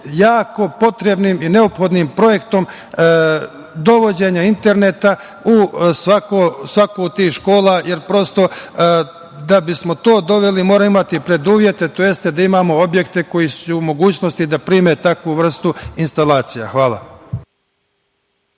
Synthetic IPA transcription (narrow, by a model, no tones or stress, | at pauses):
jaːko̞po̞t̪ɾe̞bnimine̞o̞pxo̞d̪nimpɾo̞je̞kt̪o̞m | d̪o̞ʋo̞d͡ʑe̞ɲaint̪e̞ɾne̞t̪a | usʋakosʋakout̪iːhʃko̞ːlˠaje̞ɾpɾo̞st̪o̞ | d̪abismo̞t̪o̞ːd̪o̞ʋe̞limo̞ːɾaimat̪ipɾe̞d̪uːʋje̞t̪e̞t̪ojest̪e̞d̪aimaːmo̞o̞bje̞kt̪e̞ko̞jisuːmo̞ɡuːt͡ɕnost̪id̪apɾiːme̞t̪akʋuʋr̩st̪uinst̪alaːt̪sija̰xʋaːla̰